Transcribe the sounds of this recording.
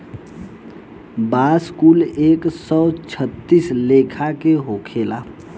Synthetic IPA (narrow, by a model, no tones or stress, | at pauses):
baskuːleːksɔt͡ʃʰət̪ːislekʰakeɦokʰela